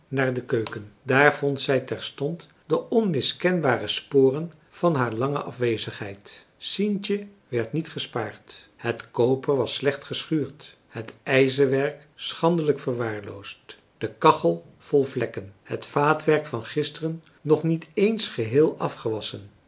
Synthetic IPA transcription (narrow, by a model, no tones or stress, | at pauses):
naːɹdəkøɥkəndaːɹv̥ɔntsɛjtɛɹstɔnt | dəʔɔnmɪskɛnbaːrəspʊːrən | v̥ɑnɦaːɹlɑŋə̰ʔɑfʋejzəχɦɛ̰jt | sintə | ʋɛɹtnitχəspaːɹthətkowpəɹʋɑslɛχtχəsχyːɹt | hətɛjzəʋɛɹk | sχɑndələkfəɹʋaːɹlo̰wst | d̥əkɑχəlˠ | v̥ɔlˠvlɛkənhətfaːtʋɛɹkfɑnχɪstərənː | ɔχnitejnsχəɦɪːlˠʔɑfχəʋɑsən